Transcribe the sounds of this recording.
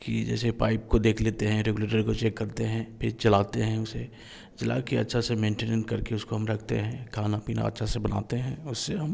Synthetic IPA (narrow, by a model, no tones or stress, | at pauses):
kid͡ʒɛ̰ːsepaːɪp̚kod̪eːkʰleːt̪eɦɛ̃ɾeːɡuleːʈəɾkot͡ʃɛːkːɐɾt̪eɦɛ̃pʰɪɾt͡ʃɐlaːt̪eɦɛ̃ʊse | d͡ʒɐla̰ːkeɐtːʃʰasemẽːɳʈeːnə̃ɳʈkɐɾkeʊskoɦɐmɾɐkʰt̪ḛɦɛ̃kʰaːnapiːna̰ɐ̰tːʃʰasebɐna̰ːt̪eɦɛ̃ʊsːeɦɐm